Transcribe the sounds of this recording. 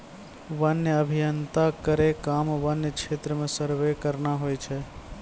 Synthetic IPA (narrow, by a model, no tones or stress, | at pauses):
ʋənjəəbʱijənt̪akəɾekamʋənjəkt͡ʃʰet̪ɾəmesəɾʋekəɾnaɦojt͡ʃʰɛ